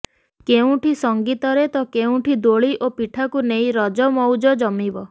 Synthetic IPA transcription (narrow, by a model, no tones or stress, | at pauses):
keũʈʰisɔŋɡit̪ɔɾet̪ɔkeũʈʰid̪oɭiʔopiʈʰakunej̃ɾɔd͡ʒɔmɔwd͡ʒɔd͡ʒɔmibɔ